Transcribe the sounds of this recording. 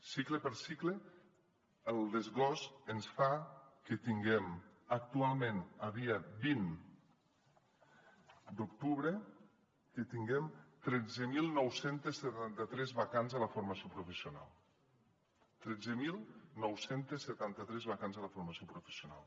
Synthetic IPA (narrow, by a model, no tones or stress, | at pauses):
sikləpəɾsikle | əlˠd̪əzɣɔzənsfakət̪iŋɡɛmak̚t̪ualˠmẽnaβiabin | d̪ukt̪uβɾe | kət̪iŋɡɛmt̪ɾɛd͡zəmilˠnɔwsent̪esːet̪ant̪ət̪ɾɛzβakanzaləfoɾmasiopɾufəsiuna̰lˠ | t̪ɾɛd͡zəmilˠnɔwsent̪esːət̪ant̪ət̪ɾɛzβakanzaləfuɾmasiopɾufə̥sjuna̰lˠ